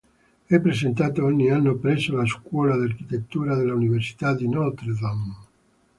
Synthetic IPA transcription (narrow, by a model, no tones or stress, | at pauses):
ɛpːɾesent̪aːt̪oɔɲːianːopɾɛsːolaskwɔːlad̪iarkit̪et̪ːuːɾad̪elːauniversi̥t̪ad̪inɔlt̪ɾd̪am